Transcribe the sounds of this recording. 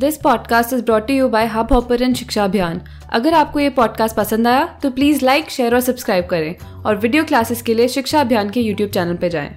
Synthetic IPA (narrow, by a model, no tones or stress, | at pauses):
d̪ɪspɔːɖkaːsʈɪzbɾɔːʈːujuːbaɪɦabɔːpəɾɛ̃nʃɪkʃaɐbʱjaːn | ɐ̰ɡəɾaːp̚kojepɔːɖ̚kaːsʈ̚pɐsə̃nd̪aːjat̪opliːzlaɪkʃeːəɾɔːɾsɐbskɾaːɪb̚kɐɾẽː | ɔːɾʋɪɖijoːklaːsɪzkelieʃɪkʃaɐbʱjaːnkejuːʈjuːb̚t͡ʃɛːnəlped͡ʒa̰ːḛ̃ː